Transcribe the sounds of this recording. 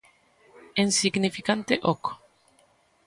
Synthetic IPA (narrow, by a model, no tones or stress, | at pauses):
ensiɡnifikant̪eʔoko̥